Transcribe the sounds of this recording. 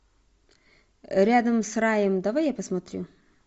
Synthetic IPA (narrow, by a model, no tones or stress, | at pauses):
ɾʲad̪əmsrajəmd̪ɐvajjapəsmɐt̪ɾʲṵ